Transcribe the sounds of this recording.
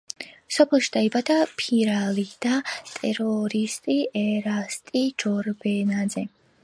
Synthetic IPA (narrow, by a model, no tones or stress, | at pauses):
sɔpʰɛlˠʃid̪̥aibad̪apʰiɾalid̪̥at̪ʼɛɾɔɾist̪ʼiɛɾast̪ʼid͡ʒɔɾbɛnazɛ